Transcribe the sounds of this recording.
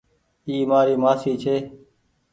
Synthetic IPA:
iːmaːɾiːmaːsiːt͡ʃʰeː

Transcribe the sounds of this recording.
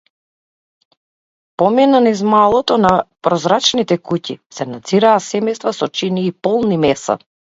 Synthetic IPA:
pɔminanizmalˠɔt̪ɔnapɾɔzɾat͡ʃnit̪ɛkucḭsɛnad̪ziɾaːsɛmɛjst̪vasɔt͡ʃiniːpɔlˠnimɛsa̰

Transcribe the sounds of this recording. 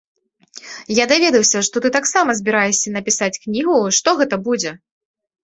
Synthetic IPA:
jad̪avʲɛd̪ɐwsʲɐʂt̪ɔt̪ɨt̪aksamɐzʲbʲiɾajɛsʲɐnɐpʲisat͡sʲknʲiɣuʂt̪ɔɣɛt̪ɐbud͡zʲɛ

